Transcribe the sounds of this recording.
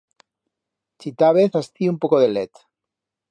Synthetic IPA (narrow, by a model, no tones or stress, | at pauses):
t͡ʃit̪aβeθast̪iumpokoðelet̪